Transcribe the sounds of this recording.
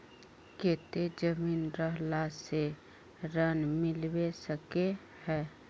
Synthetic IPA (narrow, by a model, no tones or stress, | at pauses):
keːt̪ed͡ʒəmiːnɾəɦlase | ɾənmɪlwesəke | hɛː